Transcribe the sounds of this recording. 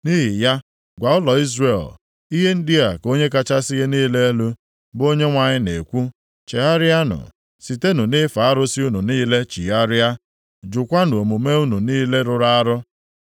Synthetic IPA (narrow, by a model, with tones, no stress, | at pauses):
ni˦ɦi˨ja˦ | ɡʷa˨ʊ˦lɔ˨i˦zɾe˨l | i˦ɦe˦n̩˦dɪ˦a˨ko˦ɲe˦k̬a˦t͡ʃa˦si˦ɣe˦niː˦le˦e˦lu˦ | bo˦ɲe˦ŋʷa˨ɲɪ˦ne˨kʷu˦ | t͡ʃe˨a˦ɾja˦nʊ̰˨ | si˨te˦nu˨nɪ˦fa˨a˦ɾʊ˦si˦u˦nu˨niː˦le˦t͡ʃḭ˨a˦ɾja˦ | d͡ʒʊ˨kʷa˦nu˨o˨mu˨me˦u˦nu˨niː˦le˦ɾʊ˨ɾa˦a˦ɾʊ˦